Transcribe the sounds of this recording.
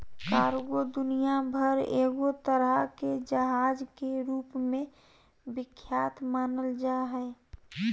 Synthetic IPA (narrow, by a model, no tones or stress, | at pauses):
kaːɾɡod̪ʊnijabʱəɾḛːɡot̪əɾəked͡ʒəɦad͡ʒkeɾuːpmẽ | bɪkʰːjaːt̪maːnəld͡ʒaɦɛ